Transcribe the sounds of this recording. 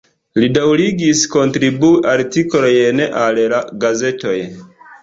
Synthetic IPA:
lidawɾiɡisko̞ntɾibuʔaɾtikolojne̞ʔallaɡaze̞to̞j

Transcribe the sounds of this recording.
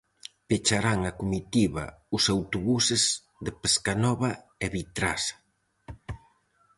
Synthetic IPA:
pet͡ʃaɾaŋakumit̪iβa̰ʊsawt̪uβusez | ðepeskanɔβɐ | eβit̪ɾa̰sḁ

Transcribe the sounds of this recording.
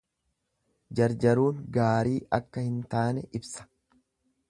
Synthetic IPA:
d͡ʒɐɾd͡ʒɐɾuːŋɡaːɾiːʔɐkːɐhɪnt̪aːnɛʔɪbsɐ̥

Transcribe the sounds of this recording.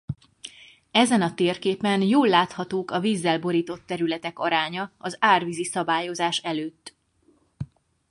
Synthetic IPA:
ɛzɛnɒt̪eːrkeːpɛnjoːlːaːt̪hɒt̪oːkɒviːzːɛlbo̞ɾiːt̪o̞t̪ːɛɾylɛt̪ɛkɒɾaːɲɒɒzaːrviːzisɒbaːjo̞zaːʃɛløːt̪ː

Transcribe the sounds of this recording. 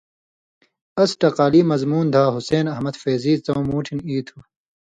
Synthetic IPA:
ɐsʈɐqaːliːmɐzmuːnd̪ʱaːɦuseːnɐɦmɐd̪feːziːt͡sɐ̃wmuːʈʰiniːt̪ʰu

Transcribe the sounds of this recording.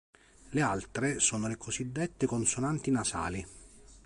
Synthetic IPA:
lealt̪ɾesoːnolekosid̪ːɛt̪ːekonsonant̪inasa̰ːli

